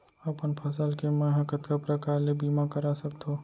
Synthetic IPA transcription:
ɐpənpʰɐsəlkemɐɦəkət̪kapɾəkaːɾlebiːmakəɾasɐk̚t̪ʰoː

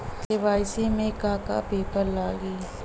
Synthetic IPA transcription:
d̪ɪʋaːɪsemẽkaːka̰peːpəɾlaːɡiː

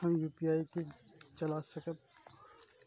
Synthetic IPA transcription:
ə̃juːpijaːiket͡ʃɐlasɐkəb

